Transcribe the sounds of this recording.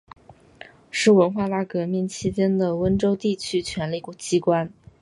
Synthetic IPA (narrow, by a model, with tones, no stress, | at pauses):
ʂɻ̩˥˩wə˧˥nxwa˥˧t̪a˥˩kɤ˧˥mi˥˩ŋt͡ɕʰi˥t͡ɕjɛ˥nd̪ə˨wə˥nʈ͡ʂo˥ʊt̪i˥˩t͡ɕʰy˥t͡ɕʰɥɛ˧˥nli˥˩kt͡ɕi˥kwa˥n